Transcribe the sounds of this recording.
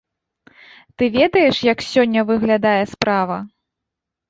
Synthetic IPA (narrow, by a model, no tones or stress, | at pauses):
t̪ɨvʲɛd̪ɐjɛʂjɐksʲɔnʲːɐvɨɣlʲad̪ajɛspɾavɐ̰